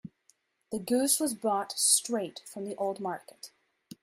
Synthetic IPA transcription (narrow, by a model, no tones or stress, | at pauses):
ðɨɡʉswʌzbɹɔtstɹ̥eɪtfɹʌ̃mðiʔoʊlˠd̚mɑɹkɨ̥t